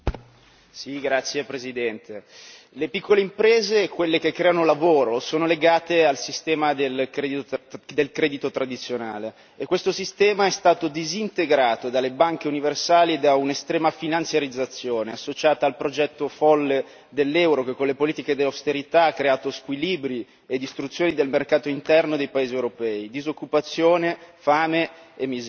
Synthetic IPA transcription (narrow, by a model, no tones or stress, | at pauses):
siɡɾat̪sːjepɾezid̪ɛnt̪ʰe | lepikːoleimpɾeːzekwelːek̟ekːɾeɛːanolavoːɾosoːnoleɡaːt̪ealsist̪ɛːmad̪elkɾed̪id̪elkɾɛːd̪it̪ot̪ɾad̪it̪sːjonaːleː | kːwest̪osist̪ɛːmaɛst̪aːt̪od̪izint̪eɡɾaːt̪od̪alːebaŋk̟euniversaːlied̪aunest̪ɾɛːmafinant̪sjaɾid̪zːat̪sːjoːneasːot͡ʃaːt̪aːlpɾod͡ʒɛt̪ːofɔlːe | d̪elːɛwɾokekːonlepoliːt̪iked̪elawst̪eɾit̪aakːɾeaːt̪oskwiliːbɾi | ed̪ist̪ɾut̪sːjoːnid̪elmerkaːt̪oint̪ɛrnod̪ejpaeːziewɾopɛːid̪izokːupat̪sːjoːnefaːmeemːiz